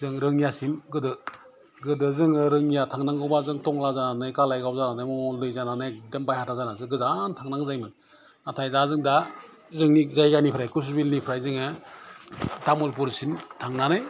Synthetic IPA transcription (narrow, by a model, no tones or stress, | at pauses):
zɯŋɾɯŋijasinɡɯdɯ | ɡɯdɯzɯŋɯɾɯŋijatʰaŋnaŋɡɯwbazɯŋtɔŋlazananajkalajɡawzananajmɔlɯjzananɯjdembajhatʰazanazɯɡɯzantʰaŋnaŋzajmɯn | atʰajdazɯŋda | zɯŋnizajɡanipʰɾajkus̬ubilnipʰɾajzɯŋɯ | tamulp̬uɾsintʰaŋnanɯj